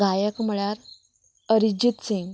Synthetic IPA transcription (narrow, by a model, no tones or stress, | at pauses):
ɡajəkm̤əɭaɾ | əɾid͡ʑit̪siŋɡ